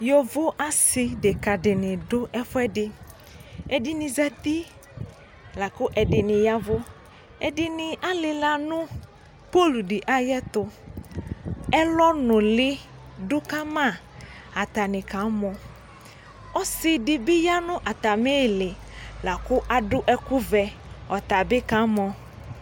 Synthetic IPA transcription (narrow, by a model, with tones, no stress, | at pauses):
jɔ˨vʊ˦ʔa˦sɪ˦dɪ˨ka˨dɪ˨nɪ˨dʊ˦ʔɛ˦fʊ˦ɛ˦dɪ˨ | ɛ˨dɪ˦nɪ˨za˦t̪i˦ | la˨kʊ˦ʔɛ˨dɪ˨nɪ̃˨ja˦vʊ˦ | ɛ˨dɪ˨nɪ˨ʔa˦lɪ˨la˨nʊ̃˦ | po˦lu˨dɪ˨ʔa˦jɛ˦t̪ʊ˨ | ɛ˦lɔ˦nʊ˨lɪ˦ | dʊ˦ka˦mã˦˨ | a˨t̪a˨nɪ̃˨ka˨˦mɔ̃˨ | ɔ˦sɪ˨dɪ˨bɪ˦ja˦nʊ̃˦ʔa˨t̪a˨me˦˨lɪ˨ | la˨kʊ˦ʔa˨dʊ˦ʔɛ˦kʊ˦vɛ˨ɔ˨t̪a˨bɪ˦ka˨˦mɔ˨